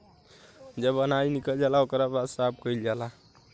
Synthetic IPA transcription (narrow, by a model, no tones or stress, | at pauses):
d͡ʒebənajnikəld͡ʒalaokɾabad̪sab̚kəild͡ʒala